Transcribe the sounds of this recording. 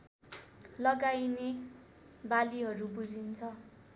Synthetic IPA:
lʌɡajne | baliɦʌɾubud͡zint͡sʰʌ

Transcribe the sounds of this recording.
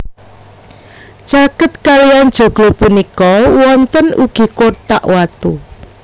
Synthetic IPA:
t͡ʃakət̪̚kalijand̥ʒ̥o̤ɡ̥lopunikɔwɔnt̪ənuɡ̥i̤kort̪a̰ʔwat̪u

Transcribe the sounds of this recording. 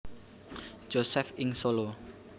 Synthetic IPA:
d͡ʒosɛfiŋsolo

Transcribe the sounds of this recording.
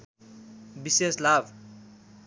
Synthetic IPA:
biseslabʱ

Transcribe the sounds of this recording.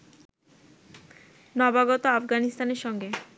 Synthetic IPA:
nɔbaɡot̪oafɡanist̪aneɾʃɔŋɡe

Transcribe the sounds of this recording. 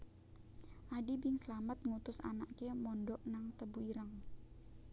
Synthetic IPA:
ʔadibɪŋsəlamət̪̚ŋut̪ʊsa̰naʔkemɔnɖɔʔnaŋt̪əbuiɾəŋ

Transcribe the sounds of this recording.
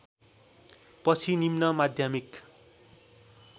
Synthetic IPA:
pʌt͡sʰinimnʌmad̪ʱjamik

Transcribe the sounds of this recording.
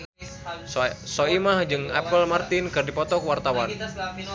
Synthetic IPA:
sɔimahd͡ʒɨŋɛ̰pəlmart̪ɪnkɨrdipɔt̪ɔkwart̪awan

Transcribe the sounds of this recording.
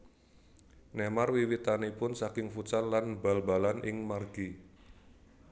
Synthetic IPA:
nemarwiwit̪anepʊnsakɪŋfut͡ʃanlanba̤lbalanʔɪŋmarɡ̥i

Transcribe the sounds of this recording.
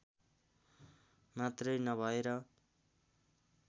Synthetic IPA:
mat̪rʌjnʌbʱʌeɾʌ

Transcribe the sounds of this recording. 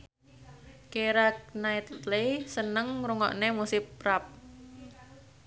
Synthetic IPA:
keɾak̚nait̪lesənəŋɾuŋɔ̰ʔnemusɪp̚rap̚

